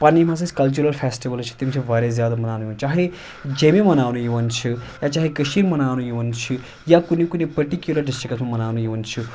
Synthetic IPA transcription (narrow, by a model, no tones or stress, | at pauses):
panimãsɐskɐlt͡ʃuɾɐlpʰeːsʈiʋɐlt͡ʃʰu̥t̪imt͡ʃʰibʱaɾezjaːd̪amɐnaːwnujuʋunt͡ʃaɦe | d͡ʒemimɐnaːwnujuʋɐnt͡ʃʰujat͡ʃaːɦekəʃiɾmɐnaːwnujuwɐnt͡ʃʰi | jakunikunipɐɾʈikjulɐɾɖisʈɾiksmamɐnaːwnujuwɐnt͡ʃʰu